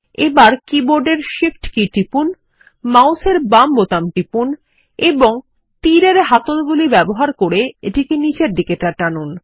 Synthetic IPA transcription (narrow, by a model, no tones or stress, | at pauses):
ebaɾkiboɾɖeɾʃifʈkiʈipun | mawseɾbambot̪amʈipun | eboŋ | t̪iɾeɾɦat̪ot̪bulibɛboɦaɾkoɾeeʈikenid͡ʑeɾɖikeʈaʈanun